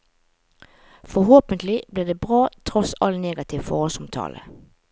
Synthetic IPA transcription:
fɔhoːpənt̪lɪbliːʁd̪eːbʁɑːt̪ʰʁɔsɑlneːɡɑt̪ʰɪʋfɔ̰ːʁhɔlsɑmt̪ʰɑ̰ːlə̰

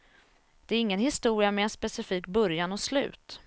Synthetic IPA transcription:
d̪̥ɛæɾɪŋːənhɪst̪uːɾɪamɛɛnspɛsɪfiːkbœɾjanɔslʉ̟̰ːt̪

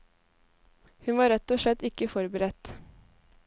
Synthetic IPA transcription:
hʉnʋɑːɾɛt̪oːʂɛt̪ɪkːəfɔɾbəɾɛt̪

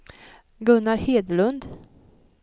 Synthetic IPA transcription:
ɡɵnːaɾheːd̪əlɵnd̪

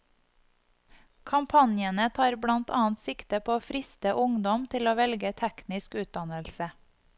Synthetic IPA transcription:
kʰɑmpʰɑnjənət̪ʰɑːɾbɽɑnt̪ʰɑ̰ːnt̪sɪkt̪əpʰoːoːfɾɪst̪əʔʊŋd̪ɔmt̪ʰɪloːʋɛlɡət̪ʰɛknɪskʉːt̪̚d̪ɑnəlsə

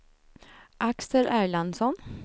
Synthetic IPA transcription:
ʔaksəɾʔæːɭansɔn

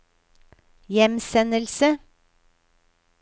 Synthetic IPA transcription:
jɛmsɛnəlsə

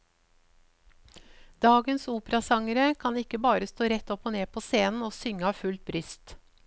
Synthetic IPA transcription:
d̪̥ɑːɡənsuːpəɾɑsɑŋəɾəkʰɑnɪkəbɑːɾəst̪oːɾɛt̪ɔpɔneːpʰoːseːnn̩oːsʏŋəɑːfʉlt̪̚bɾʏst̪

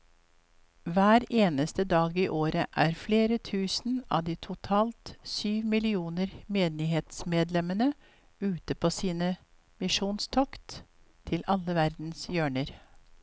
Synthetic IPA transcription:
ʋæːɾeːnəst̪əd̪ɑːɡiːʔoːɾəʔæːɾfleːɾət̪ʰʉːsn̩ɑ̰ʋd̪iːt̪ʰʊt̪ʰɑːlt̪syːʋmɪlɪuːnəɾmeːnɪheːt̪smeːd̪lɛmənə | ʉːt̪əpʰoːsiːnə | mɪʂuːnst̪ʰɔkt̪ | t̪ʰːɪlɑlːəʋæɾd̪n̩sjøːɳəɾ

